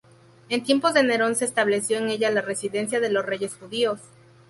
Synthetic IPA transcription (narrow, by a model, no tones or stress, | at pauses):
e̞nt̪je̞mpo̞zðene̞ɾo̞nse̞ːst̪aβle̞sjo̞ene̞ʝalare̞siðe̞nsjaðe̞lo̞sre̞ʝe̞sxuðio̞s